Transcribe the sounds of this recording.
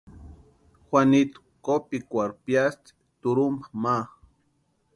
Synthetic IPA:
xʷanit̪u̥ | kopikʷaɾpjast̪i̥ | t̪uɾumbama

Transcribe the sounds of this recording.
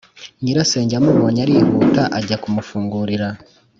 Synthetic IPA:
ɲiɾase̞ːɲɟamuβoːɲaɾiːhuːtaʔaɟakumufuːŋɡuːɾiɾa

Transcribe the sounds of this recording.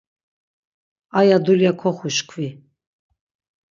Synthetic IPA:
ajad̪uljakʰɔχuʃkʰvi

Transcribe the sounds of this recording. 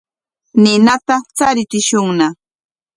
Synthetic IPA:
nɪnat̪at͡saɾɪt͡sɪʃʊŋna

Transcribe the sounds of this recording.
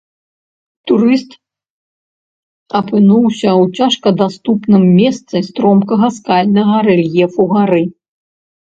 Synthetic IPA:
t̪uɾɨst̪ | ɐpɨnuwsʲɐwt͡sʲaʂkɐd̪ast̪upnɨmːʲɛst̪sɨst̪ɾɔmkɐɣɐskalʲnɐɣɐɾɛlʲjɛfuɣaɾɨ

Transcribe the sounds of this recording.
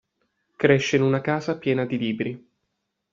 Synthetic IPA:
kɾeʃːeinunakaːzapjɛːnad̪iliːbɾi

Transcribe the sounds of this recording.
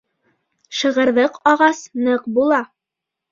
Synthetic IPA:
ʃɤ̆ʁɤ̆ɾðɤqɑʁɑsnɤqbulˠɑ

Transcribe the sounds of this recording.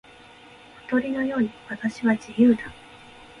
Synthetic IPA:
ɸo̥t̪o̞ɾʲino̞jo̞ːɲ̟iβat̪aɕiβad͡ʑijɯ̟ːd̪a

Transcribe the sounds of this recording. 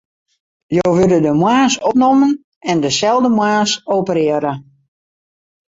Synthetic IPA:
joːʋɪdədəmwaːsɔp̚nomən | ɛndəsɛlˠdəmwaːsoːpəɾɪəɾə

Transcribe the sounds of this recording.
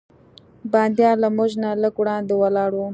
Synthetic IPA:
bɑnd̪jɑlamʊʒnaləkwɽɑnd̪ewalɑɽu

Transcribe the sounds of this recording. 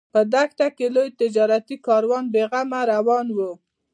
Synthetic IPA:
pəd̪axt̪akelojt̪ɪd͡ʒɑɾat̪ikɑɾwɑnbeɣamaɾawɑnwu

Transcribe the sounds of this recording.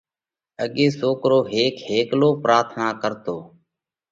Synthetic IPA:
əɠeːsoːkɾoːɦeːkheːkloːpɾaːt̪ʰnaːkəɾt̪oː

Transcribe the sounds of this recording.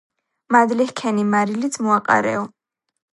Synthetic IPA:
mad̪lihkʰɛnimaɾilisʰmɔaqʼa̰ɾɛ̰ɔ

